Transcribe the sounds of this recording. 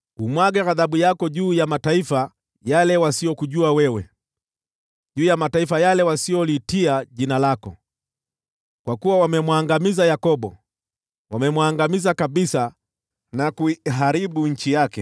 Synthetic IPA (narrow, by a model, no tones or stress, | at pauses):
umwaɡɛɾaðaɓujakɔʄuːjamataifa | jalɛwasiɔkuʄuawɛwɛ | ʄuːjamataifajalɛwasiɔlitiaʄinalakɔ̰ | kwakuwawamɛmwaŋɡamizajakɔɓɔ | wamɛmwaːŋɡamizakaɓisa | nakuiɦaɾiɓuɲ̩t͡ʃijakɛ̰